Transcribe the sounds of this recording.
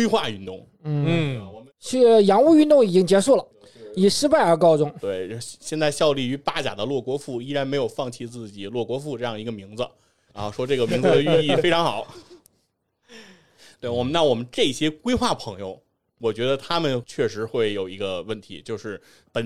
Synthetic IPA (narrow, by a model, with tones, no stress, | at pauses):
kwe˥ɪxwa˥˧y˥˧nt̪ʊ˥˩ŋ | n̩˥˩˥wɔ˨˩m˦t͡ɕʰjɑ˧˥ŋu˥˧y˥˧nt̪ʊ˥˩ŋi˨˩t͡ɕi˥ŋt͡ɕjɛ˧˥ʂu˥˩lə˩ | i˨˩ʂɻ̩˥pa˥˩ɪə˞˧˥kɑ˥ʊt͡sʊ˥˧ŋt̪we˥˩ɪ˧ɕjɛ˥˧nt͡sa˥˧ɪɕjɑ˥˧ʊli˥˩y˧˥pa˥t͡ɕja̰˨˩d̪ə˦lwɔ˥˩kwɔ˥fu˥˩i˥ɻa˧˥nme˧˥ɪjo˨˩ʊfɑ˥˧ŋt͡ɕʰi˥˧t͡sɹ̩˥˩t͡ɕi˨˩lwɔ˥˩kwɔ˧˥fu˥˧ʈ͡ʂɤ˥˧jɑ˥˩ŋi˧˥ɡə˧mi˧˥ŋd͡z̩˧˥˩ | ʂwɔ˥ʈ͡ʂɤ˥˩ɡə˩mi˧˥ŋd͡z̩˧d̪ə˧y˥˧i˥˩fe˥ɪʈ͡ʂʰɑ˧˥ŋxɑ˨˩˦ʊ | t̪we˥˩ɪwɔ˨˩mə˦na˥˩wɔ˨˩mə˦nʈ͡ʂɤ˥˩i˧˩ɕjɛ˥kwe˥ɪxwa˥˩pʰɤ˧˥ŋjo˧ʊ | wɔ˨˩t͡ɕɥɛ˧˥d̪ə˧t̪ʰa˥mə˨nt͡ɕʰɥɛ˥˩ʂɻ̩˧˥xwe˥˩ɪjo˨˩ʊi˧˥ɡə˧wə˥˩nt̪ʰḭ˧˥t͡ɕjo˥˧ʊʂɻ̩˥˩ | pə˨˩n